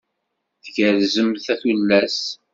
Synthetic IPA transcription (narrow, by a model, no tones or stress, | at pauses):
θɡəɾzəmθæθulːæs